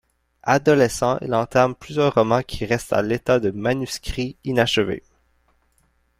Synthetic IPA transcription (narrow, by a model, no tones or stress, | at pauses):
ad̪ɔlɛsɑ̃ʔḭlɑ̃t̪aʁmplyzjœːʁːɔmɑ̃kʲʰiʁɛst̪a̰let̪ad̪əmanyskʲχiinaʃəvḛ